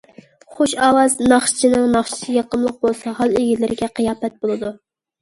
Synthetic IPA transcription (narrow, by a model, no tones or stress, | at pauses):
χoʃɑwɑznɑχʃʰɪ̥t͡ʃʰinɨŋnɑχʃɪ̥t͡ʃ̪ʰɪjɑqəmlˠəq̚bolˠsɑhɑlˠeɡʲilɪɾɪɡʲɛqʰəjɑːpɛt̪̚bolˠɨd̪u